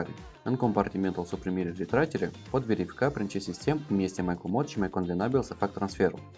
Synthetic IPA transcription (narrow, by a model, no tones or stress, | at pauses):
ɾʲɪ̰ | ənkompɐrtʲɪmʲent̪əlˠsupɾʲɪmʲiɾʲɪɾʲɪt̪ɾatʲɪɾʲɪpod̪vʲɪɾʲɪfʲkapɾʲɪnt͡ɕisʲɪsʲtʲemmʲesʲtʲɪmajkˠʊmot̪̚t͡ɕimajkond̪lʲɪnabʲɪlˠsɐfak̚t̪ɾɐnsfʲeɾʊ̰